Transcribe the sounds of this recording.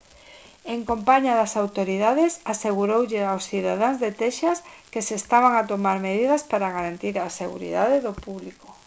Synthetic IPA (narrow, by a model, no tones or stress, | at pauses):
eŋkompaɲaðɐsawt̪oɾiðaðesaseɣuɾowʎeawsθiðaðaŋzðet̪ɛʃɐskesest̪aβaŋat̪omaɾmeðiðɐspaɾaɣaɾant̪iɾaseɣṵɾḭðaðeðopuβliko